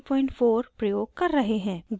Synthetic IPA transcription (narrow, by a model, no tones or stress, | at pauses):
pɔːɪ̃ɳʈfʰoːɾpɾɐjoːɡ̚kɐɾːɐɦeɦɛ̃ːɡ